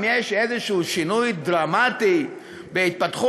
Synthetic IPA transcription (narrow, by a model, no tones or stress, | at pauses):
mjeʃezeʃuːʃinujd̪ʁamat̪i | beit̪̚pat̪χu